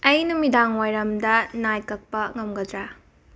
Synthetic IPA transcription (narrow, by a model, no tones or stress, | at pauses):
ɐjnɐmidaŋwajɾɐmdɐnajkɐk̚pɐŋɐmɡɐdɾa